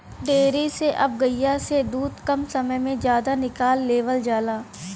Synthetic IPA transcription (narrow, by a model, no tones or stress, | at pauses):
ɖeːɾiseʔɐb̚ɡəjased̪uːd̪kɐmsɐməjmẽzjaːd̪anɪkaːlːeːʋəld͡ʒaːlaː